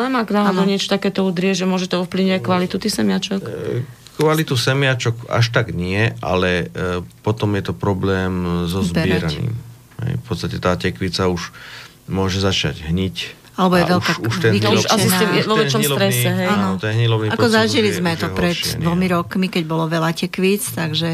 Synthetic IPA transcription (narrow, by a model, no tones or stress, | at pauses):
ɛmaknalnɔɲɪɛt͡ʃɔ̥t̪akɛːt̪ɔud̪ɾɪɛʒɛmʊɔʒɛt̪ɔɔfpliʊɲɛakʋalit̪ut̪ixsɛmɪat͡ʃɔk | kʋalit̪usɛmɪat͡ʃɔka̰ʃt̪aɡɲɪɛʔa̰lɛpɔt̪ɔmjɛt̪ɔpɾɔblɛːmzɔzbbɪɛɾanḭːm | ɦɛ̰jfpɔt̪st̪acɛt̪aːcɛkʋit͡sauʒ | mʊɔʒɛzat͡ʃa̰ɟɦɲic | alɛbɔjɛʋɛlkauʃt̪ɛiʃasist̪imɛʋɔʋɛt͡ʃɔmlɔɾɛsɛɦɛnɔt̪ɛnɦɲilɔʋniakɔzaʒilizmɛt̪ɔpɾɛd̪d̪ʋɔmiɾɔkmikɛɟbɔlɔʋɛlacɛkʋit͡st̪aɡʒɛ